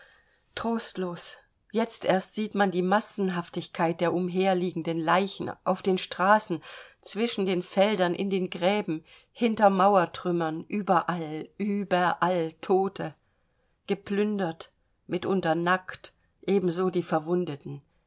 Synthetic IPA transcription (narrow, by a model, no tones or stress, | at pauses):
tʁ̥oːstloːs | jɛt͡stʔeːɐstz̥iːtmandiːmasn̩ɦaftɪçkʰaɪt̚d̥eːɐʔʊmɦeːɐliːɡŋ̩dənlaɪçn̩ʔa̰ʊfd̥eːnʃtʁ̥aːsn̩t͡sv̥ɪʃn̩deːnfɛldɐnʔɪ̰ndeːnɡʁɛːbm̩ | hɪntɐmaʊɐtʁ̥ʏmɐnʔyːbɐʔalʔyːbɐʔaltʰoːtʰə | ɡ̥əpʰlʏndɐt | mɪtʔʊntɐnakt | ʔeːbm̩zoːdiːfɛɐvʊndətn̩